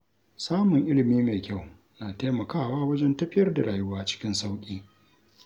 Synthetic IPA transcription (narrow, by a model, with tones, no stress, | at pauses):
saː˦mʊ˨ŋʔɪ˦lɪ˨miː˦ma˨kʲa˦˨w | naː˨taː˦mɐ˨kaː˦˨waː˦wɐ˦d͡ʒɛ˦ntɐ˦ɸɪ˦jɐ˦rda˨ɽaː˨jʊ˦waː˦t͡ʃɪ̥˦kʲɪ˦nsa˦wkʲʼiː˦